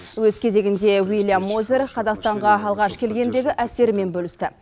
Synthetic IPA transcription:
wɵzkʲʰe̞ze̞ɡʲɪnd̪e̞wijlʲˠjamːoze̞ɾqʰɑzɑqst̪ɑɴʁɑɑlˠʁɑʃkʲʰe̞lɡʲe̞nd̪e̞ɡʲɪʔæse̞ɾme̞nbɵlɪst̪ɪ

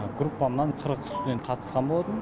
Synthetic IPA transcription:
ɡɾupːamnanqʰəɾqst̪ʊd̪ent̪qʰɑt̪ʰəsqɑnbolˠad̪əm

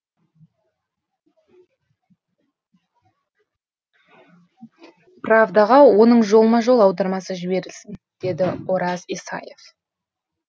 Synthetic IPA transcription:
pravd̪ɑʁɑwo̞nəɴʒo̞lˠmɑʒo̞lˠɑwd̪ɑɾmɑsəʒɪbe̞ɾɪlsɪnd̪̥e̞d̪ɪo̞ɾɑzisɑ̰jef

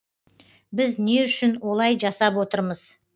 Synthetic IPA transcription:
bɪzne̞ʏʃɪnwo̞lˠɑjʒɑsɑpwo̞t̪əɾməz̥

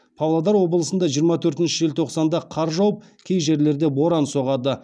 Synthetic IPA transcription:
pʰɑwlˠɑd̪ɑɾwo̞bəlˠəsənd̪ɑʒijəɾmɑt̪ʰɵɾt̪ɪnʃɪʒelt̪ʰo̞qsɑnd̪ɑqʰɑɾʒɑwəp̚ | kʲʰejʒe̞ɾle̞ɾd̪e̞bo̞ɾɑnso̞ʁɑd̪ə

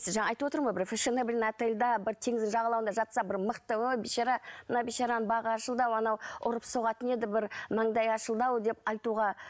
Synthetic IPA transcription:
sɪʒɑɴɑːjt̪əwo̞t̪əɾmojbɪɾfʲeʃɪnəbɪlenæt̪elʲd̪ɑbɪɾt̪ʰeŋɪzɪŋʒɑʁɑlˠɑwənd̪ɑʒɑt̪sɑbɪɾməqt̪əwojbiʃɑɾɑmənɑwbeʃɑɾɑnənbɑʁəɑʃəlˠd̪ɑwɑnɑwʊɾəpsoʁɑt̪əne̞d̪ɪbɪɾmɑɴd̪ɑjɑʃəlˠd̪ɑwd̪e̞pɑjt̪uʁɑ

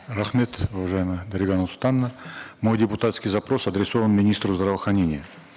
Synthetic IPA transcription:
ɾɐχmʲe̞t̪uvɐʐajɪməd̪ɐɾʲɪɡanɐst̪anːəmo̞jdʲɪpʊt̪at̪skʲijzɐpɾo̞sɐd̪ɾʲɪso̞vənmʲɪnʲist̪ɾʊzd̪ɾɐvəxɾɐnʲenʲɪjə

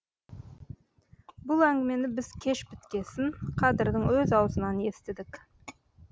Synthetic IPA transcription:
bʊlˠæŋɡʲɪme̞nɪbɪzkʲʰe̞ʃpɪt̪kʲe̞sɪŋqʰɑd̪ɪɾd̪əɴwɵzɑwzənɑne̞st̪ɪd̪ɪk

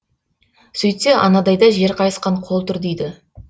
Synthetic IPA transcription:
sɵjt̪seʔɑ̰nɑd̪ɑjd̪ɑʒe̞ɾqʰɑjəsqɑɴqʰo̞lˠt̪ʊɾd̪ejd̪ɪ

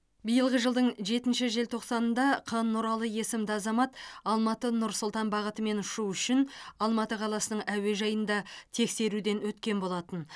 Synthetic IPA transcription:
bijəlˠʁəʒəlˠd̪əɴʒe̞t̪ɪnʃɪʒe̞lt̪ʰo̞qsɑnənd̪ɑqʰənːʊɾɑlˠəje̞sɪmd̪ɪɑzɑmɑt̪ɑlˠmɑt̪ənʊɾsʊlˠt̪ɑnbɑʁət̪əme̞nʊʃuʏʃɪnɑlˠmɑt̪əqʰɑlˠɑsənəɴæwe̞ʒɑjənd̪ɑt̪ʰe̞kse̞ɾud̪e̞nwɵt̪kʲe̞nbo̞lˠɑt̪ən

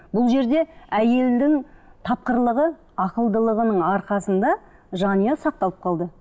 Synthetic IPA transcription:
bʊlˠʒe̞ɾd̪e̞æje̞ld̪ɪŋt̪ʰɑp̚qəɾlˠəʁə | ɑqəlˠd̪əlˠəʁənəɴɑɾqɑsənd̪ɑ | ʒɑnijɑsɑq̚t̪ɑlˠəp̚qʰɑlˠd̪ə

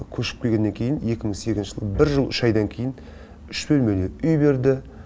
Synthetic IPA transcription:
kʲʰɵʃɪ̥p̚kʲʰejɡʲe̞nːeŋkʲʰe̞jɪne̞kʲɪmɪŋseɡʲɪznʃəʒəlˠəbɪɾʒəlˠʏʃɑjd̪ɑŋkʲʰejɪn | ʏʃbɵlmed̪eʏjbe̞ɾd̪ɪ

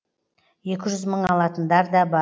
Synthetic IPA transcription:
je̞kʲɪʒʏzməɴɑlˠɑt̪ənd̪ɑɾd̪ɑbɑ

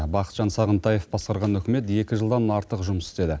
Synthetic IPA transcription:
bɑqə̥t̪ʒ̥ɑnsɑʁənt̪ɑjefbɑsqɑɾʁɑnɵkʲɪme̞t̪je̞kʲɪʒəlˠd̪ɑnɑɾt̪əqʒʊməsɪ̥st̪e̞d̪ɪ

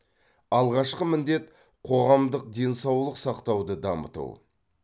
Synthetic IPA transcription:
ɑlˠʁɑʃqəmɪnd̪e̞t̪ | qʰo̞ʁɑmd̪əq̚d̪e̞nsɑwlˠəqsɑqt̪ɑwd̪əd̪ɑmə̰t̪ṵw

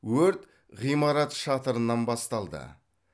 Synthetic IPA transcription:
wɵɾt̪ | ʁijmɑɾɑt̪ʃɑt̪əɾənːɑnbɑst̪ɑlˠd̪ə̰

